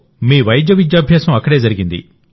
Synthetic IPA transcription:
meːʋɐjd͡ʒɐʋid͡ʒjaːbʱjɐsũɐkːɐɽeːd͡zɐɾɪɡind̪ḭ

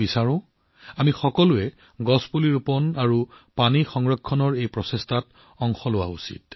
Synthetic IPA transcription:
isaɹʊ̃ | amixɔkɔlʊɛ | ɡɔspuliɹupɔnaɹupanixɔŋɹɔkʰːɔnɔɹejpɹɔsestʰat | ɔŋxɔlʊwa̰ṵsḭt̚

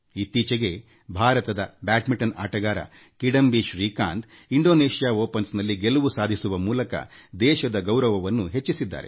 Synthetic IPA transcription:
it̪ːiːt͡ʃɐɡe̞ | bʱaːɾɐt̪ɐd̪ɐbaːʈmiʈɐna̰ːʈɐɡaːɾɐ̰ | kiɽɐmbiʃɾiːkaːnd̪iɳɖoːneːʃijaːoːpɐnsnɐlːiɡelɐʋusaːd̪ʱisuʋɐmuːlɐkɐ̰d̪ɛːʃɐd̪ɐɡɐwɾɐʋɐʋɐnːuɦet͡ʃːisid̪ːa̰ːɾe̞̰

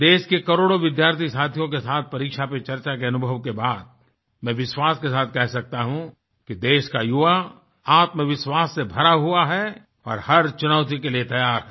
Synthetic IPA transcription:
d̪eːʃkekɐɾoːɽoʋɪd̪jaːɾt̪ʰisaːt̪ʰijõk̬esaːt̪̚ʰpɐɾiːkʃapet͡ʃɐɾt͡ʃakeɐnʊbʱəʋkebaːd̪̚ | mɛ̃ːʋɪʃwaːskesaːt̪̚ʰkɛɦsɐk̚t̪aɦũ | kid̪eːʃkajʊʋa | aːt̪mẽʋɪʃwaːsːebʱɐɾaɦuaɦɛ | ɔ̰ːɾhɐɾt͡ʃʊnəʋt̪ikeliet̪ɐjaːɾ

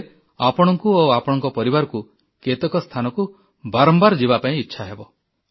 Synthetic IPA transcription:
apɔɽ̃ɔŋkuoapɔɽ̃ɔŋkɔpɔɾibaɾɔku | ket̪ɔkɔst̪ʰanɔku | baɾɔmbaɾɔd͡ʒibapaĩitːʃʰaɦebɔ

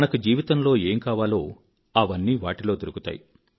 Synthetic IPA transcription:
nɐkud͡ʒiːʋit̪ɐnlo̞ːeːmkaːʋaːlo̞ː | ɐʋɐnːiːʋaːʈilo̞ːd̪oɾukut̪a̰ːji

